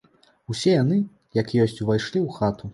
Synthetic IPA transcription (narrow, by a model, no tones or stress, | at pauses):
wsʲɛjanɨ | jakjɔsʲt͡sʲvajʂlʲiwxat̪u